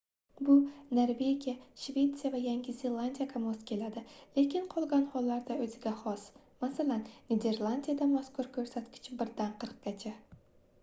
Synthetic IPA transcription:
bʊneɾve̞ɡʲijaʃve̞t̪sijavajaŋɡʲɪzʲe̞lˠand̪ʲijakʰamoskʲe̞lad̪ɪle̞kʲʰɪnqʰɒlˠɡʲanhɒlːaɾd̪aɵzɪɡʲahɒs | masalanːe̞d̪e̞ɾlˠand̪ʲijad̪amaskʊɾkʰɵɾsat̪kʲʰɪ̥t͡ʃɪbɪɾd̪anqʰɨɾɨq̚ɡʲat͡ʃʰa

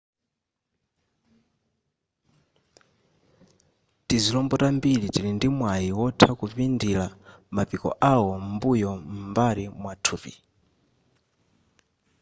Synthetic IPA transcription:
tizilɔmbɔtambilitilindimwajiwɔtʰakupindilamapikɔ̰ʔawɔmbujɔmbaɾimwatʰuːpḭ

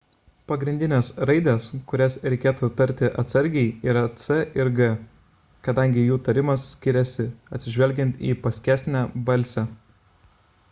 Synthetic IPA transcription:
pɐɡɾʲɪnʲd̪ʲɪnʲeːsɾɐɪd̪ʲeːskʊɾʲɛsɾʲɛɪkʲeːt̪uːt̪ɐɾʲt̪ʲɪʔɐt̪sɐɾʲɡʲɛɪiːɾɐt̪sɛʔɪɾɡɐ | kɐd̪ɐˑŋʲɡʲɪjuːt̪ɐɾʲɪmɐsːʲkʲɪɾʲɛsʲɪɐt̪ʲsʲɪʒʲʋʲɛlʲɡʲɛnʲt̪ḭːpɐsʲkʲæːsʲnʲæbɐlʲsʲɛ

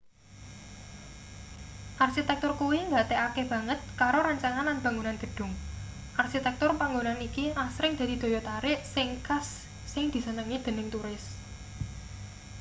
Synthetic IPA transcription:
ʔarʃit̪ɛk̚t̪ʊrkuwiŋɡat̪eʔakeb̥ä̤ŋət̪̚kaɾoɾaɲt͡ʃaŋanlanb̥ä̤ŋunanɡ̥ə̤ɖ̥ʊ̤ŋ | ʔarʃit̪ɛk̚t̪ʊrpaŋɡonanikiʔasɾɪŋd̪̥ä̤d̪̥i̤d̪̥o̤jɔt̪aɾɪʔsɪŋkasː | ɪŋd̪̥i̤sənəŋid̪̥ə̤nɪŋt̪uɾɪs

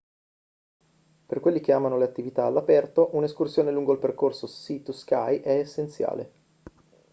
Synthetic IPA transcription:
perkwelːik̟eaːmanoleat̪ːivit̪aːlːapɛrt̪oʔuneskursjoːneluŋɡoilperkorsosit̪uskajʔɛesːent̪sja̰ːlḛ

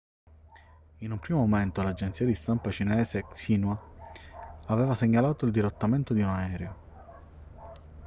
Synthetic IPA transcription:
inumpɾiːmomoment̪olad͡ʒent̪siːad̪ist̪ampat͡ʃinɛːsesinwa | avɛːvaseɲːalaːt̪oild̪iɾot̪ːament̪od̪iunaɛːɾeo

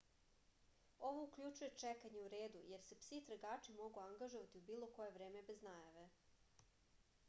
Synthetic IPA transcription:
o̞ʋo̞ukʎut͡ʃuje̞t͡ʂekaɲe̞uɾeːd̪uje̞ɾse̞psit̪ɾaɡaːt͡ʂimo̞ɡuaŋɡaʒoʋat̪iubiːlˠo̞ko̞je̞ʋvɾeːmebe̞znaːjaʋe̞

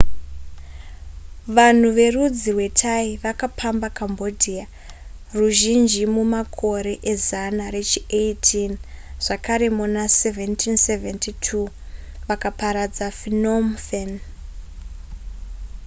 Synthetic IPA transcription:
ʋan̤uʋe̞rud͡zirwe̞tʰaiʋakapʰambakambo̞dʱia | ruʒind͡ʒimumakʰo̞ɾe̞ʔezanaɾe̞t͡ʃiejtʰinʐ̥akʰaɾe̞munaseventʰinseventʰitʰuː | ʋakapaɾad͡zafinomfen

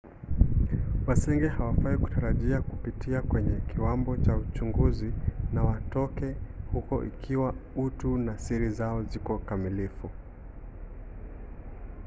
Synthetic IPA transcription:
wasiŋɡɛhawafaiku̥taɾaʄiakupitʰiakwɛɲɛkiwambɔt͡ʃaut͡ʃuŋɡuzinawatɔkɛhukɔ̰ʔḭkʰiwautunasiɾizaɔzikɔkamilifu

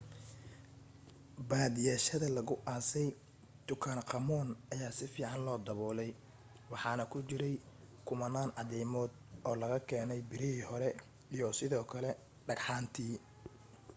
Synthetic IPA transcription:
baːðɪjaːʃɐðɐlɐɣʊʔaːsɛj | d̪̥ʊkʰaːnqɑmɔːnɐjaːsɪfiːʕɑnlɔːd̪ɐβɔːlɛj | wɑħɑːnɐkʰʊt͡ʃɪɾɛj | kʰʊmɐnaːnʕɑðɛjmɔːd̪ɔːlɐɣɐkʰɛːnɛjbɪɾɪhiːhɔɾɛ | ijɔsɪðɔːkʰɐlɛ | ɖɐɡħɑːnt̪ʰiː

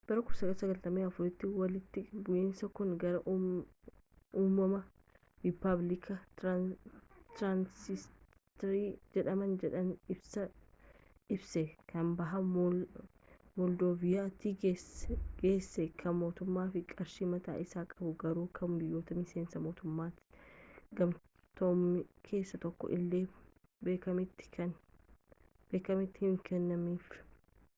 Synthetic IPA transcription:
b̥ɐɾɐkʊsɐɡɐsɐɡɐlt̪ɐmeːɐfʊɾɪt̪ːɪwɐlɪt̪ːɪbʊʔeːnsɐkʊnɡɐɾɐʔ | uːmːɐmɐ | ɾɪpɐblɪkʰɐ | t̪ɾansɪs | t̪ɐɾiːd͡ʒɛᶑɐmɐnd͡ʒɛᶑɐnɪbsɐ | ɪbsɛkɐnbɐɦɐ | mɔld̪oːvɪjaːt̪iːeɡeːsːɛkʰɐnmo̞ːt̪ʊmːaːfɪkʼɐɾʃiːmɐt̪a̰ːʔɪsaːkʼɐbʊɡɐɾuːkʰɐmbɪjːoːt̪ɐmɪse̞ːnsɐmo̞ːt̪ʊmːaːt̪ɪ̥ɡɐm | t̪oːmɪkʰe̞ːsːɐt̪ɔkːɔ̰ʔɪ̰lːeː | beːkɐmɪt̪ːɪ̥kɐn | b̥eːkɐmɪt̪ːɪhɪŋkɛnːɐmiːf

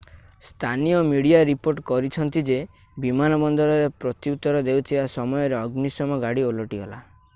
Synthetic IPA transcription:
st̪ʰanijɔmiɽiaɾipoɾʈkɔɾit͡ʃʰɔnt̪id͡ʒe | bimanɔbɔnd̪ɔɾɔɾepɾɔt̪iut̪ːɔɾɔd̪ewt̪ʰibasɔmɔjɔɾeɔɡnisɔmɔɡaɽiolɔʈiɦɔla̰

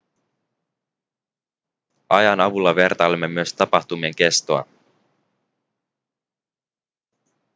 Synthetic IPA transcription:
ɑjɑnɑʋulːɑʋe̞rt̪ɑlemːe̞myøst̪ɑpɑxt̪umie̞ŋke̞st̪oɑ̰

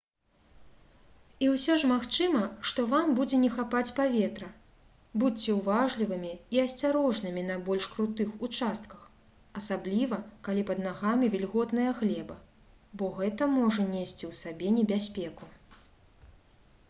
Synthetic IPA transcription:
iwsʲɔʂmaxt͡ʂɨmɐʂt̪ɔvambud͡zʲɛnʲɛxapat͡sʲpavʲɛt̪ɾɐ | but͡st͡sʲːɛwvaʐlʲivɨmʲiiɐsʲt͡sʲaɾɔʐnɨmʲinɐbɔlʲʂkɾut̪ɨxut͡ʂast̪̚kɐx | ɐsablʲivɐkalʲipɐd̪naɣamʲivʲɛlʲɣɔt̪nɐjɐɣlʲɛbɐ | bɔɣɛt̪ɐmɔʐɐnʲesʲt͡sʲiwsabʲɛnʲɛbʲasʲpʲɛku

